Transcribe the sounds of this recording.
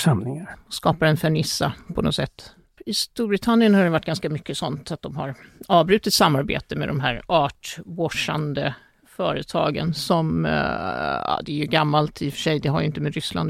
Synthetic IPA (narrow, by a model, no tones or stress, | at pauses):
ʂamlɪŋaɾskɑːpaɾɛnfɛɳɪsːapʰɔnɔ̰sɛt̪ː | ɪst̪uːɾbɾɪt̪ʰanːjənhaɾɖɛvaʈːɡanskamʏkːəsɔnt̪at̪̚d̪ɔmɦa̰ɾɑːvbɾʉ̟ːt̪ɪt̪samːaɾbḛːt̪əmɛ̰d̪ɔmɦæːɾɑːʈvɔʂa̰nd̪ə | fœːɾət̪ʰɑ̰ːɡə̰nsɔm | ɑ̰d̪ɛæɾjɵɡamːalt̪ʰɪfœ̥ʂɛjd̪ɛɦaɾjʏɪnt̪əmeːd̪ɾʏsla̰nd̪